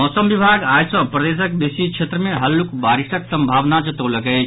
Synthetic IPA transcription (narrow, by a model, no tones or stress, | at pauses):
mɔːsəmʋɪbʱaːɡaːjsə̃pɾɐd̪eːs̬ək̚besikʃʰeːt̪ɾəmẽɦɐlːukbaːɾɪʃəksɐ̃mbʱaːʋnat͡ʃɐt̪oləkə